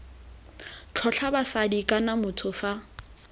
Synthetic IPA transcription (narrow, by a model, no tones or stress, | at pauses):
t͡ɬʰɔt͡ɬʰabasadikʼanamʊtʰʊfa